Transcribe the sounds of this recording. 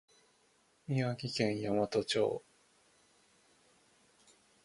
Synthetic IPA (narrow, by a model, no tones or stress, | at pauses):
mʲiaɡʲikẽ̞ɰ̃jamat̪ot͡ɕo̰ː